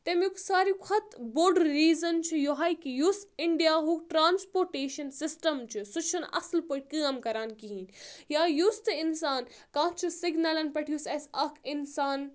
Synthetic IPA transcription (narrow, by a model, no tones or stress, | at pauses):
t̪emiksaːɾikʰɐt̪boːɖɾiːzɐnt͡ʃʰijoɦaːjkijusɪɳɖijaːɦukʈɾaːnspoːɾʈeːʃɐnsɪsʈɐmt͡ʃʰusut͡ʃʰunɐ̰slpoːʈ̚ʲkɨɐmkɐɾaːnkiɦiːnjaːjust̪ɨɪnsaːnkãːkt͡ʃʰusɪɡnɐlɐnpɐʈʰijusɐsɐkʰɪnsaːn